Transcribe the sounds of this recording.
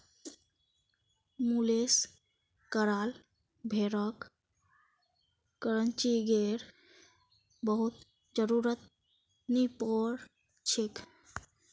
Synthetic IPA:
mules | kəɾal | bʱeɾək | kəɾənt͡ʃiɡeɾ | bəɦut̪ | d͡ʒəɾuɾət̪ | nipɔɾ | t͡ʃʰik

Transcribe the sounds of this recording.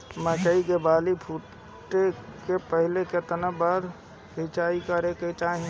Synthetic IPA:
mɛ̃kəiɡebaːlipʰuʈ | ʈekepəɦɪleket̪ənəbaɾ | sit͡ʃaːikəɾeket͡ʃaːɦĩ

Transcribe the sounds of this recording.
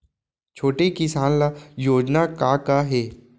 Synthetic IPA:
t͡ʃʰoːʈekɪsaːnlajoːd͡ʒnakakaɦeː

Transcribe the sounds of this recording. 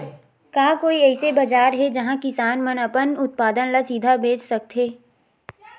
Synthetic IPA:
kaːkoːiɛːsebɐd͡ʒaːɾɦɛd͡ʒɐɦãkɪsaːnmɐnəpənʊt̪̚paːd̪ənlasiːd̪ʱabʱeːt͡ʃsɐk̚t̪ɦeː

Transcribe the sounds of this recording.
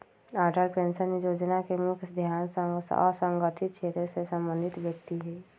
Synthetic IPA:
aːɾʈəɾpẽːnsənijoːd͡ʒnakemʊkʰd̪ʱjaːnsə̃ŋɡsɔ̰sə̃ŋɡət̪ʰɪt̪̚kʃeːt̪ɾəsesə̃mbə̃nd̪ʱɪt̪bək̚t̪iɦɛː

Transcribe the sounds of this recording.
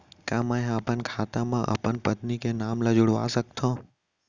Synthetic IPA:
kamaeaːpənkʰat̪amãʔə̰pəɳpət̪nikenamləd͡ʒuɽʋa̰sək̚t̪ʰõ

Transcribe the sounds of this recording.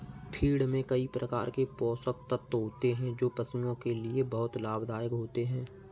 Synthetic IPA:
pʰiːɽmẽkɐipɾʔəka̰ːɾkepɔːsək̚t̪ət̪ːɦoːt̪eɦɛ̃d͡ʒoːpəsijõkeliebɐɦʊt̪laːbd̪aːjəkɦoːt̪eɦɛ̃ː

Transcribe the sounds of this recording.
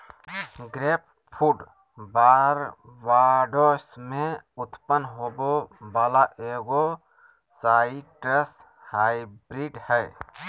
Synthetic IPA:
ɡɾeːp̚ | pʰuɖ | baːɾʋaːɖosmẽʊt̪pənɦoːbobaːlaʔeːɡo | saːiʈɾəs | haːibɾiːɖhɛː

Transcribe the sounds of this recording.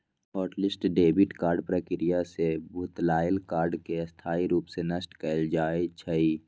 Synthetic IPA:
ɦɔːʈlɪsʈɖeːbɪʈkaːɾɖpɾəkɪɾɪjasebʱuːt̪laːɪlkaːɾɖkeɐst̪ʰaːiɾuːpsenəsʈkəld͡ʒaːet͡ʃʰəiː

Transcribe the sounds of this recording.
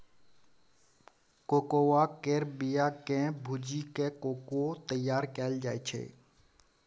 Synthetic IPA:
koːkoːʋaːkeɾbijaːkẽːbʱud͡ʒiːkeːkoːkot̪əjaːɾkɛːld͡ʒaːet͡ʃʰḛː

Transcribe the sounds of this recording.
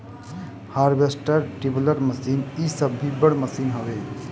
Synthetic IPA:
haːɾbʱesʈəɾʈibləɾməsinisəbʱːibəɽməsinɦəʋeː

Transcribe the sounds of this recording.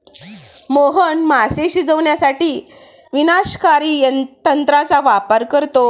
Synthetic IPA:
moɦənmaseɕid͡zəʋɳjasaʈiː | ʋinaɕkaɾiːjənt̪ənt̪ɾat͡saʋapəɾkəɾt̪o

